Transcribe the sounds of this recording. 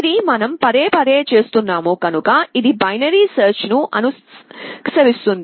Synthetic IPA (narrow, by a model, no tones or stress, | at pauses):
d̪imɐnɐmpɐɾeːpɐɾeːt͡ʃe̞ːst̪unːaːmuːkɐnukɐid̪ibɐjnɐɾiːsɐːɾt͡ʃnuʔɐ̰nu | ksɐʋist̪und̪